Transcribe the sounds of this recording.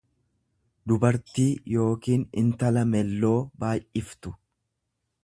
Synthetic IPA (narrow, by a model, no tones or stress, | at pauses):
d̪ʊbɐɾt̪iːjo̞ːkiːnɪnt̪ɐlɐmɛlːo̞ːbaːjʔʔɪft̪ʊ̥